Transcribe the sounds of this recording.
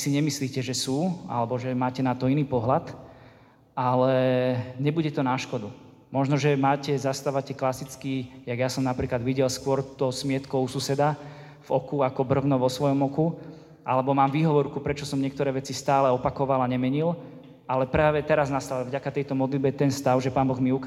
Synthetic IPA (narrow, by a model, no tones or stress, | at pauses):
siɲɛmisliːcɛʒɛsuːa̰lɛbɔʒɛmaːcɛnat̪ɔiniːpɔɦlat̪ | ʔalɛɲɛbuɟɛt̪ɔnaʃkɔd̪u | mɔʒnɔʒɛmaːcɛzast̪aʋacɛklasit͡skijaɡjasɔmnapɾiːklad̪ʋiɟɛlskʊɔɾt̪ɔsmɪɛt̪kɔʊsusɛd̪a | vɔkuakɔbr̩vnɔʋɔsʋɔjɔmɔku | ʔa̰lɛbɔmaːmʋiɦɔʋɔɾkupɾɛt͡ʃɔsɔmɲɪɛkt̪ɔɾɛːʋɛt͡sist̪aːlɛɔpakɔʋalaɲɛmɛɲil | alɛpɾaːʋɛt̪ɛɾaznast̪aʋavɟakat̪ɛjt̪ɔmɔd̪lid̪̚bɛt̪ɛnst̪aʊʒɛpaːnbɔɣmiuk